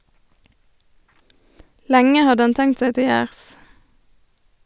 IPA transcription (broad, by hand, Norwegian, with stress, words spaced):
ˈlɛŋə ˈhɑd ˈɑn ˈtɛŋt ˈseː ˈtɪ ˈjæːʁs